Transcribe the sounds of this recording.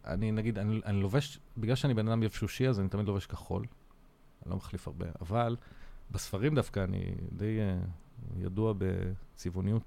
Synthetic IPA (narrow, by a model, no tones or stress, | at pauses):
ʔa̰ninaɡid̪aniʔaniloveʃbiɡlalʃeanibe̞nad̪amjevʃuʃiazanit̪amidlo̞veʃkaχo̞̰l | nilo̞̰maχlifaʁbe̞̰ʔa̰valbesfaʁimd̪afkaːnḭd̪e̞j | ja̰duabḛt͡sivunijut